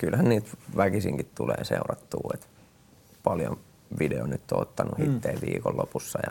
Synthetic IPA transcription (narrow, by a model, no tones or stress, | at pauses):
kylhænniːt̪ʋækisiŋkit̪tulḛːseurɑt̪ːuːet̪ | pɑljon | ʋideonyt̪ːoot̪ːɑnuhit̪ːeːʋʋiːkollopusːɑjɑ